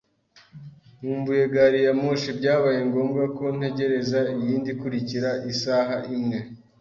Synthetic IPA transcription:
muːmbuje̞ɡaɾijamoʃibɟaːβaje̞ŋɡo̞ːmɡako̞n̥he̞ɟe̞ɾe̞zaijiːndikuɾiciɾaʔisaɦaʔimŋe̞

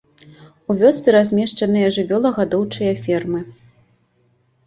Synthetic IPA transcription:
uvʲɔst̪sɨɾazʲmʲɛʂt͡ʂɐnɨjɐʐɨvʲɔlˠɐɣad̪ɔwt͡ʂɨjɐfʲɛrmɨ

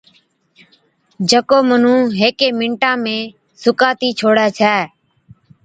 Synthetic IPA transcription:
d͡ʒəkoːmən̤ũːɦeːkeːmɪ̃ɳʈãːmẽː | sʊkaːt̪iːt͡ʃʰoːɽɛːt͡ʃʰɛː

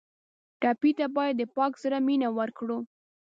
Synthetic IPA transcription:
ʈɑpit̪abɑjad̪ːəpɑksaɾaminawəɾkɽu

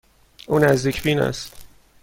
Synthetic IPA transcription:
ʔuːnæzd̪iːcʰbiːnæ̰st̪

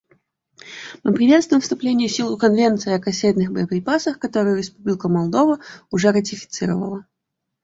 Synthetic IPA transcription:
mɨpɾʲɪvʲe̞t̪st̪vʊjɪ̃mfst̪ʊplʲenʲɪjɪsʲilˠʊkɐnvʲent̪sɨɪɐkɐsʲet̪nɨxbə̰jəpɾʲɪpasəxkɐt̪oɾɨjʊɾʲɪspublʲɪkəmɐlˠd̪o̞vəʊʐɛɾət̬ʲɪfʲɪ̥t̪sɨɾəvə̰lˠə

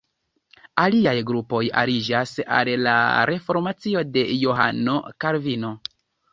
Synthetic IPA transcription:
aliajɡɾupo̞ja̰ɾid͡ʒasa̰lla̰ɾʔe̞fo̞ɾmat͡sio̞de̞jo̞ɦa̰no̞kaɾvino̞

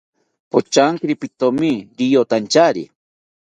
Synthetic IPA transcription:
pot͡ʃaŋkɾipit̪omiɾijot̪ant͡ʃaɾḭ

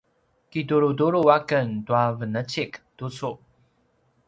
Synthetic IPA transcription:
kiduɾuduɾuakəntuavənət͡ɕiktusu

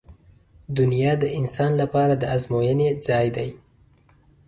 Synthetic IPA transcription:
d̪ʊnjɑd̪əʔɪnsɑnlapɑɾad̪əazmojəned͡zɑjd̪aj

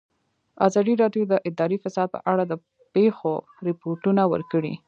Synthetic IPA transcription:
azɑd̪iɾɑɖjod̪əʔɪd̪ɑɾifɪsɑd̪̚pə̰ʔaɽad̪ə | pexo | ɾɪpoɾʈunawə̰ɾkəɽḭ

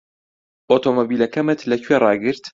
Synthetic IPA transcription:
ʔot̪omobiːlɐkɐmɨt̪lɐcʰwerɑːɡɨɾt̪

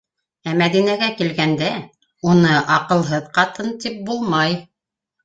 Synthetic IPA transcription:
æmæðinæɡækilɡænd̪æ | unɤʔɑqɤ̆lˠɦɤðqɑt̪ɤnt̪ip̚bulˠmɑj

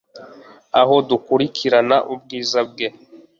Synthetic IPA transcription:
a̰ɦo̞dukuɾikʰiɾanaʔub̚ɡiːzab̚ɡe

